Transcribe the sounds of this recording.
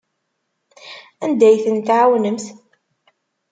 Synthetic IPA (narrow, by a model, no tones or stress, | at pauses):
ænd̪æjθənt̪ʕawnəmθ